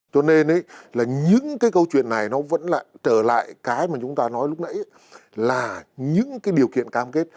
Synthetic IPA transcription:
t͡ɕɔ˧ne˧nʔə˨˦jlaː˨˩ɲɨ̰˧˥ŋkaː˨˦jkə˧wt͡ɕwḭ˧˨ənːa˨˩jnɔ˨˦və̰˧˥nla̰ː˧˨˩t͡ɕəː˧˩la̰ː˧˨jkaː˨˦jmaː˨˩t͡ɕʊ˨˦ŋ͡mt̪aː˧nɔ˨˦jlʊ˦˥k͡p̚nə̰˧˥j | laː˨˩ɲɨ̰˧˥ŋkaː˨˦jɗi˨˩əwkḭ˧˨ənkaː˧mke˦˥t̚

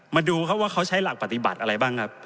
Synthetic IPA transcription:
maː˧duː˧kʰa˦˥p̚waː˥˩kʰa˦˥wt͡ɕʰa˦˥jla˨˩k̚pa˨˩t̪i˨˩ba˨˩t̪̚ʔa˧ɾa˧jbaː˥˩ŋkʰa˦˥p̚

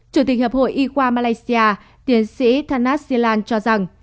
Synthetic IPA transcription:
t͡ɕu˧˩t̪i˨˩k̟̚həː˨˩p̚ho̰˧˨jʔi˧ɣwaː˧maː˧laː˧jsi˧aː˧ | t̪i˨˦ənsḭ˧˥t̪ʰaː˧nːaː˦˥t̚si˧laː˧nt͡ɕɔ˧za˨˩ŋ

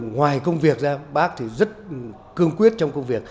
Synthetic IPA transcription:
ŋwaː˨˩jkə˧wŋ͡mvi˨˩ək̚zaː˧ɓaː˦˥k̚t̪ʰi˨˩zə˦˥t̚ | kɨ˧əŋkwi˦˥ət̚t͡ɕɔ˧wŋ͡mkə˧wŋ͡mvi˨˩ək̚

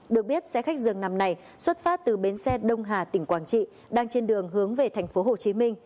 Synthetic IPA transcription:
ɗɨ˨˩ək̚ɓi˦˥ət̚sɛ̰˧˥xa˦˥k̚zɨ˨əŋna˨˧˩mna˨˩j | swə˦˥t̚faː˦˥t̚t̪ɨ˨˩ɓe˨˦nsɛ˧ɗə˧wŋ͡mɦaː˨˩t̪ï˧˩ŋ̟kwaː˧˩nt͡ɕḭ˧˨ | ɗaː˧ŋt͡ɕe˧nɗɨ˨˩əŋɦɨ˨˦əŋve˨˩t̪ʰa˨˩jŋ̟fo˨˦ɦo˨˩t͡ɕi˨˦mï˧ŋ̟

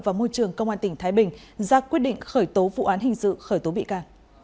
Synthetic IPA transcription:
vaː˨˩mo˧jt͡ɕɨ˨˩əŋkə˧wŋ͡mʔaː˧nt̪ï˧˩ŋt̪ʰaː˨˦jɓï˨˩ŋ̟ | zaː˧kwi˦˥ət̚ɗḭ˧˨ŋ̟xəː˧˩jt̪o˨˦vṵ˧˨ʔaː˨˦nɦï˨˩ŋ̟sɨ̰˧˨xəː˧˩jt̪o˨˦ɓḭ˧˨kaː˧n

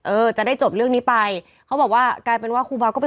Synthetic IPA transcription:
ʔɤː˧t͡ɕa˨˩da˥˩jt͡ɕo˨˩p̚ɾɯ˥˩əŋniː˦˥pa˧j | kʰa˦˥wbɔː˨˩k̚waː˥˩kaː˧jpe˧nwaː˥˩kʰuː˧baː˧kɔː˥˩pe˧

